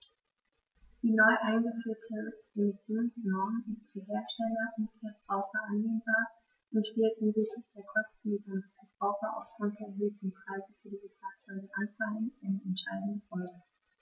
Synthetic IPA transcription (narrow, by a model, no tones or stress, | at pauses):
d̥iːnɔʏʔaɪnɡəfyːɐtʰəʔemɪsjoːnsnɔɐmɪstfiːɐɦeːɐʃtɛlɐʊmɪtfɛɐb̥ʁaʊxɐʔanːeːnbaːɐ | ʔʊntʃteːltɪnzɪkɪçd̥eːɐkʰɔstn̩iɡfɛɐb̥ʁ̥aʊxɐʔa̰ʊfɡ̥ʁʊntdɐɐɦøːbtn̩pʁ̥aɪzəfyːɐdiːzəfaːkt͡sɔʏɡəʔanfaənɪnɛntʃaɪdn̩dəfɔlɡə